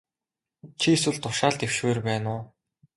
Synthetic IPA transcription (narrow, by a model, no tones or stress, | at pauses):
t͡ɕʰieswɘ̆ɮt̪ʊʃaːɮt̪ew̥ʃweːrpæːnʊː